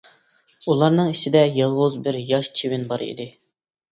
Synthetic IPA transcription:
ulˠɑɾnɨŋiʃʰɪd̪ɛjɑlˠʁʊzbɪɾjɑʃt͡ʃʰewɪnbɑɾḭd̪ɪ

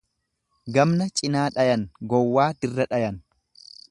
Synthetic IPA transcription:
ɡɐmnɐt͡ʃʼɪnaːᶑɐjɐnɡɔwːaːd̪̥ɪrːɐᶑɐjɐn

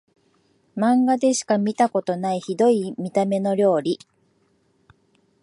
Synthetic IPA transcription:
mãŋɡad̪e̞ɕi̥kamʲit̪ako̞t̪o̞naiçid̪o̞imʲit̪ame̞no̞ɾʲjo̞ːɾʲi

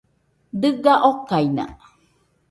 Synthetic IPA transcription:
d̪ɨɡaʔokajna̰

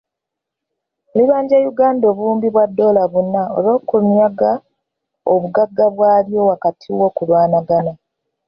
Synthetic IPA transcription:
liβaːɲɟejuɡaːndoːβuːmbiβwadːo̞ːlaβunːao̰lo̞ːkunjaɡa | oβuɡaɡːaβwaːljo̞wakatʰiwo̞kulwaːnaɡana

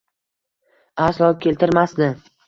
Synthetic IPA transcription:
aslˠɒkʲe̞lt̪ʰɪɾmasnɪ

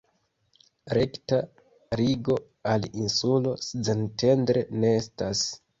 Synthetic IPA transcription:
ɾe̞kta | ɾiɡo̞ | alinsulo̞sd͡zente̞ndɾene̞estas

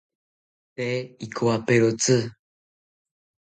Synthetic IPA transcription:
t̪eikʰoapeɾot͡sɨ

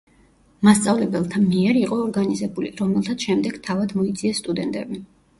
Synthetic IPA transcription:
mast̪sʼavlɛbɛlˠt̪ʰamiɛɾiqʼɔːɾɡanizɛbuliɾɔmɛlˠt̪ʰat̪sʰʃɛmd̪ɛɡ̥t̪ʰavad̪mɔit̪zʰʼiɛsːt̪ʼud̪ɛnt̪ʼɛbi

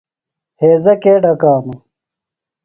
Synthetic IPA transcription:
heːzɐkeːɖɐkaːnu

